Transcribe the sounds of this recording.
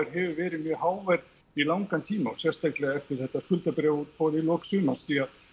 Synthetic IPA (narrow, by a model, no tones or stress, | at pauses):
ɪɾ̥ɦɛvʏvɛːɾɪmjœːhaːwvɛɾ | ilawŋkant̪ʰiːmaɔsjɛ̥st̪ajklɛɣaɛft̪ɪɾ̥θɛht̪ːaskʏlt̪apɾɛut̪pʰɔːðilɔːksʏːmansθiað